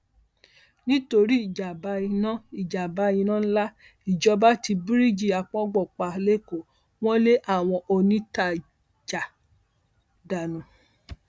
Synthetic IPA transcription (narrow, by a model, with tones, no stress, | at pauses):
nĩ˦to˧ɾi˦i˦˨d͡ʒa˨ba˨˦i˧nã˦i˦˨d͡ʒa˨ba˨˦ĩ˧nã˦la˦ | i˨d͡ʒɔ˧˦ba˦ti˧bi˦ɾi˦˨d͡ʒi˦˨a˧k͡pɔ̃˦ɡ͡bɔ˦˨k͡pa˧˨˦le˦˨ko˨ | w̃ɔ̃˦le˦ʔa˦˨w̃ɔ̃˧ʔo˧nĩ˦ta˨ | d͡ʒa˨ | da˨nũ˨